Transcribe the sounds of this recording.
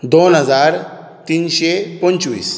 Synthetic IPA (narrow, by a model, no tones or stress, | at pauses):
d̪onɦəd͡zaɾ | t̪iːnɕepənt͡ʃʋḭːs